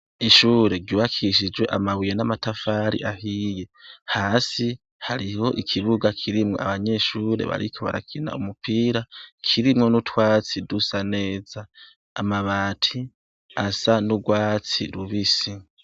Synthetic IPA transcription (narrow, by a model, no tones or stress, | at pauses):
iʃuːɾe̞ɾɟuːβakʰiʃ̬id͡ʒwe̞ʔamaβujenamatafaɾḭʔahije̞haːsi | haɾiho̞ʔikʰiβuɡakʰiɾimŋo̞̰a̰βaɲe̞ʃuːɾe̞̰βa̰ɾḭkʰo̞βa̰ɾa̰kʰina̰umupiːɾakʰiɾimŋo̞nutwaːt͡sidusane̞ːzaː | maβaːtʰi | asanuɡwaːt͡siɾuβisi